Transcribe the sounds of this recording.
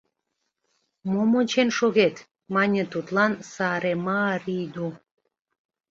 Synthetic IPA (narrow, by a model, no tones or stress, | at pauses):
momot͡ɕenʃoɣet̪ | mɑnʲət̪ut̪lɑnsɑɾemɑɾid̪u